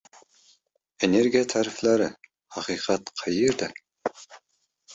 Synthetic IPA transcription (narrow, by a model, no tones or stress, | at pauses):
eneɾɡʲijɛt̪ʰæːɾɪflæɾɪ | hɑqʰiqʰɑt̪qʰɑjeɾd̪ɛ